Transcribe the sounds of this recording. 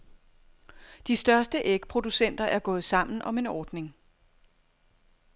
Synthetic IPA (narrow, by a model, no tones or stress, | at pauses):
d̥isd̥ɶɐsd̥əʔeɡ̥pʰʁo̝d̥usen̰d̥ɐʔæɐɡ̥ɔ̽ːð̩ˠsɑ̈m̰n̩ʔɒ̽me̝nɒːd̥ne̝ŋ